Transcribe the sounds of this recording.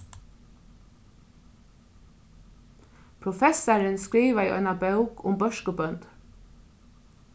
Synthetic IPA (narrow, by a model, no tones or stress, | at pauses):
pʰɾʊfɛsɑɾɪnskɾiːʋaiʔɔ̰ʏnɑbœʊkʊ̰mbœʃkəbœnt̪